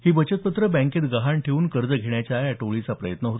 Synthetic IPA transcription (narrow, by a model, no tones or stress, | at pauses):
hiːbət͡ɕət̪pət̪ɾəbæ̃ŋkeːt̪ɡəɦaɳʈʰeuːnkəɾd͡zəɡʱeɳjat͡ɕajaʈoɭit͡sapɾəjət̪nəɦot̪